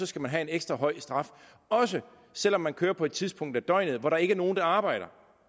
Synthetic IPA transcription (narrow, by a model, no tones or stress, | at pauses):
sɒ̽sɡ̥æmænɦæe̝neɡ̥sd̥ʁɐɦɒ̽ɪ̰sd̥ʁɑ̈f | ɒ̽sə | sel̰ɒ̽mːænkʰøːɐpʰɒed̥̚t͡sʰiðˠspʰɔ̽ŋ̰d̥æɐd̥ɒ̽ɪ̰nð̩ˠʋɒɾɑ̈e̝ɡ̥ɐno̝ːn̩d̥ɑ̈ɑ̈ːb̥ɑ̈ɪ̰ɾ̥ɐ